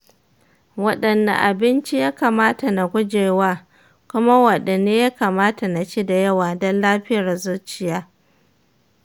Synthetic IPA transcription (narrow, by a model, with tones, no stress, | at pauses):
wɐ˦ɗɐ˨nːa̰˨ʔa˨bɪ˦nt͡ʃi˦jaː˦kaː˨maː˦ta˨na˨ɡʷʊ˦d͡ʒeː˨waː˦ | kʷʊ˦ma˦wɐ˨ɗe˨neː˦jaː˦kaː˨maː˦ta˨na˨ʃiː˦da˨jɐ˦waː˨dɔ˦nlaː˦ɸɪ˦jɐ˨rzʊ˦t͡ʃɪ˨jaː˦